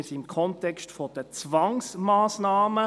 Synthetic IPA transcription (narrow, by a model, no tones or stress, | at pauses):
simkʰɔntɛkstfɔd̥ət͡svɑŋsmaːsnaːmə